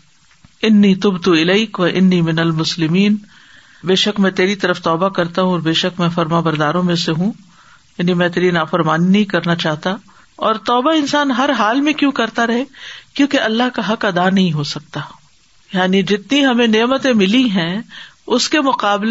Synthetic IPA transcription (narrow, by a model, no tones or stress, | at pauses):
ɪnːiːt̪ʊbt̪uɪlɐɪkʋɐʔɪnːiːmɪnɐlmʊslɪmiːn | beːʃəkmɛ̃ːt̪eːɾit̪ɐɾəft̪ɔːbakɐɾt̪aɦũɔːɾbeːʃəkmɛ̃ːfɐɾmãbɐɾd̪aːɾõmẽseɦũ | jaːnimɛ̃ːt̪̬eːɾinaːfɐɾmaːnːɐɦĩkɐɾnat͡ʃaːɦt̪a | ɔːɾt̪ɔːbaɪnsaːnɦɐɾɦaːlmẽkjõkɐɾt̪aɾɐɦekjõːkeʔɐlːaɦkaɦɐkɐd̪aːnɐɦĩɦosɐk̚t̪aː | jaːnid͡ʒɪt̪niɦɐmẽneːmət̪ẽmɪliɦɛ̃ː | ʊskemʊqaːbl